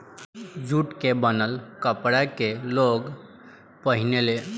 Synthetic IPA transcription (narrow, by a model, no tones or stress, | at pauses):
d͡ʒuʈkebənəlkəpɽakeloɡ | pəɦinele